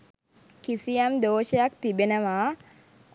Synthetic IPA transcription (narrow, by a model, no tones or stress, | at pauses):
kisijɐmd̪oːʃəjakt̪ibenəʋaː